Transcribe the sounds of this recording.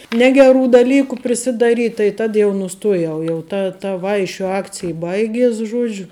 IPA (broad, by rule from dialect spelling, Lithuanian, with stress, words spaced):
ˈnʲæːɡʲɛˌruː dɐˈlʲiːkʊ pʲrʲɪsʲɪdɐˈrʲiːtʲ tɐɪ ˈtɐt jɛʊ nʊˈstuɔjɛʊ jɛʊ ˈtɐ tɐ ˈʋɐɪʃʲʊ ˈɑːkt͡sʲɪj ˈbɐɪɡʲiɛs ˈʒuɔd͡ʒʲʊ